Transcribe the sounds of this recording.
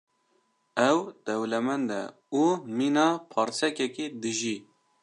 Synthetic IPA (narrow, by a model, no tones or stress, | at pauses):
ɛwd̪̥ɛwlɛmɛnd̪ɛ̰ | umiːnɑːpʰɑːɾsɛkɛkid̪ɨʒiː